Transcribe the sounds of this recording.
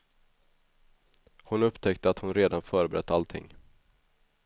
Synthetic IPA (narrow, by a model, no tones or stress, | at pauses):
hʊnɵpt̪ʰɛkt̪əat̪hʊnɾeːd̪anfœːɾəbɛɾɛt̪ʰːalt̪ʰɪ̰ŋː